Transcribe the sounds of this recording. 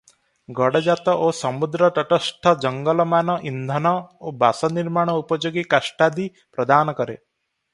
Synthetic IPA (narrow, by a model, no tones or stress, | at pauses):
ɡɔɽɔd͡ʒat̪ɔʔosɔmud̪ɾɔʈɔʈɔsʈʰɔd͡ʒɔŋɡɔlɔmanɔʔind̪ʱɔnɔobasɔniɾmaɽ̃ɔupɔd͡ʒoɡikasʈad̪i | pɾɔd̪anɔkɔɾḛ